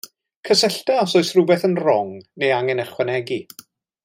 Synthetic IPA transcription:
kʰəsəɬtaɔsɔɨsrʊbɛθənrɔŋnejaŋɛnəχwɛnɛɡi

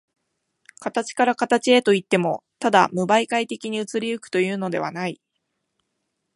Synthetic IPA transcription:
kat̪at͡ɕi̥kaɾakat̪at͡ɕie̞t̪o̞it̪ːe̞mo̞t̪ad̪a̰mɯ̟baikait̪e̞kʲiɲ̟iɯ̟t͡sɨɾʲiɯ̟kɯ̟̥t̪o̞jɯ̟ːno̞d̪e̞βa̰nai

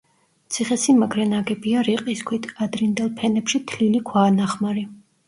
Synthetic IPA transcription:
t̪sʰiχɛsimaɡɾɛnaɡɛbiaɾiqʼiskʰwit̪ʰad̪ɾind̪ɛlˠpʰɛnɛpʃit̪ʰlilikʰwaːnaχmaɾi

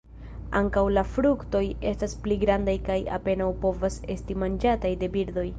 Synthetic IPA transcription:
a̰ŋkawlafɾukto̞je̞staspliɡɾandajkaja̰pe̞nawpo̞vase̞̰stimand͡ʒatajde̞biɾdo̞j

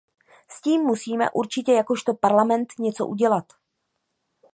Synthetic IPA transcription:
sciːmːusiːmɛ̰ʔuɾt͡ʃɪcɛjakoʃt̪o̞paɾlamɛnt̪ɲɛt͡so̞̰ʔuɟɛlat̪

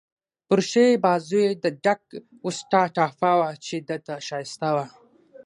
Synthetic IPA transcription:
pʊɾʃebazujed̪əɖak̚ | ʊsʈaʈafawat͡ʃed̪ət̪aʃajɪst̪awa

